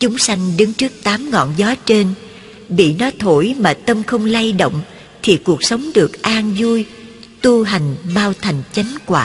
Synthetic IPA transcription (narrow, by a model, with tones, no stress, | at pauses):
t͡ɕʊ˨˦ŋ͡msa˧jŋ̟ɗɨ˨˦ŋt͡ɕɨ˦˥ək̚t̪aː˨˦mŋɔ̰˧˨nzɔ˨˦t͡ɕe˧n | ɓḭ˧˨nɔ˨˦t̪ʰo˧˩jmaː˨˩t̪ə˧mxə˧wŋ͡mla˧jɗo̰˧˨wŋ͡m | t̪ʰi˨˩ku˨˩ək̚sə˨˦wŋ͡mɗɨ˨˩ək̚ʔaː˧nzu˧j | t̪u˧ɦa˨˩jŋ̟ɓaː˧wt̪ʰa˨˩jŋ̟t͡ɕa˨˦ŋ̟kwaː˧˩